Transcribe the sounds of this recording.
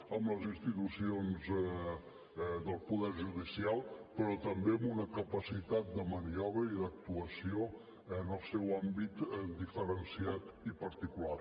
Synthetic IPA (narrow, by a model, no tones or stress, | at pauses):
əmləzinst̪it̪usionzɛ | d̪əlˠpuðɛɾʒuðisialˠpəɾɔt̪əmbeəmunəkəpəsit̪at̪̚d̪əməniɔβɾəiðək̚t̪uəsio | ənəlˠsɛwambit̪d̪ifəɾənsiat̪ipəɾt̪ikulaɾ